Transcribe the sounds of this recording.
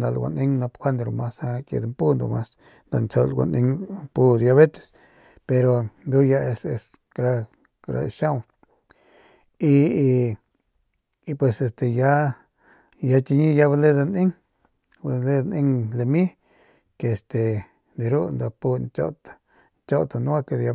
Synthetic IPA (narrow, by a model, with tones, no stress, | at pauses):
nd̪a˧lɡʷa̰˨ni˦ŋna˧pkʷa˦nd̪ɾo˧ma˦sa˧kḛ˧d̪mpu˦nd̪o̰˨ma˧s | nd̪o̰˧nt͡so˧lɡʷa̰˨nḭ˧ŋpu˦d̪ja˧βe˦t̪e̥˨s | pe˧ɾo˨nd̪u˦ja˧e˧se˧s | kɾa˧ | kɾa̰˧ʃa˦w | i˧ | pwe˧se˧st̪e˧ja˦ | ja˧t͡ʃi˧ɲi˦ja˧˦βa˧le˦d̪a˧ni˦ŋ˧ | le˦d̪ni˧ŋle˧mi˦ | ke˧˨st̪e˨ | d̪i˧ɾu˦nd̪a˧pu˧nt͡ʃo̰˦t̪ḁ˨ | nt͡ʃo˦t̪a˧nu˦a˦ke˧d̪ja˧